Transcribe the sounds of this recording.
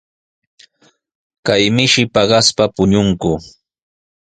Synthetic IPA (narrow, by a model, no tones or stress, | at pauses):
kajmɪʃɪpɑɢɑspapʊɲʊŋkʊ